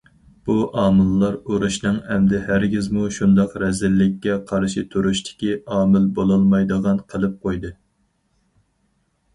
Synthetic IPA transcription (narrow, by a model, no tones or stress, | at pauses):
b̥uʔɑːmɨlˠːɑɾoɾuʃnɨŋɛmd̪ɪhæɾɡʲizmuʃund̪ɑqɾɛzɪlːɪkʲːɛqʰɑɾʃit̪ʰuɾuʃt̪ʰɪ̥kʲiʔɑːmɪlbolˠɑlˠmɑjd̪əʁɑnqʰəlˠɨp̚qʰojd̪ɨ